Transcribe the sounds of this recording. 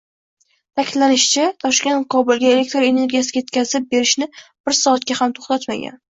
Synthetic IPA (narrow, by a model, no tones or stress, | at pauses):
t̪ʰakʲʰɪd̪lanɪʃɪ̥t͡ʃʰat̪ʰɒʃkʲe̞nt̪qʰɒbʊlˠɡʲaele̞k̚ʲt̪ɾoe̞ne̞ɾɡʲijasɪɡʲajet̪̚ʲkʲazɪp̚be̞ɾɪʃnɪb̥ɪɾsɒːt̪̚kʲahamt̪ʰo̥χt̪at̪ma̰ɡʲa̰n